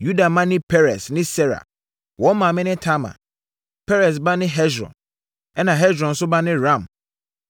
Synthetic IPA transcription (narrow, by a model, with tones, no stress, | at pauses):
ju˦da˨mã˦nɪ̃˦pʰɛ˦ɾɛ˨snɪ̃˦sɛ˦ɾa̰˨ | wɔ̃˨˦mã˨mɪ̃˦nɪ̃˦tʰa˦ma̰˨ | pʰɛ˦ɾɛ˨s̬ba˦nɪ̃˦ɦɛ˦sɾɔ̰̃˨n | ɛ˦nã˨ɦɛ˦d͡ʒɾɔ̃˨n̩˨sʊ˦ba˦nɪ̃˦ɾã˦˨m